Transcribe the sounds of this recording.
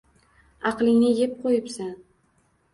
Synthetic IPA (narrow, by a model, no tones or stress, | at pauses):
ɑqlˠɪŋnɪjep̚qʰojɪpsan